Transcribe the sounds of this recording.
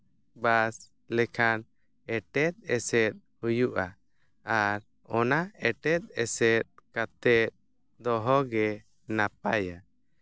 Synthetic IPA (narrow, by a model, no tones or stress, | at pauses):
bas | lɛkʰan | ɛʈɛt̪̚ˀɛsɛt̪̚hujuʔa | aɾ | ɔnaɛʈɛt̪̚ˀɛsɛt̪̚kat̪ɛt̪̚ | d̪ɔɦɔɡɛ | nap̚aja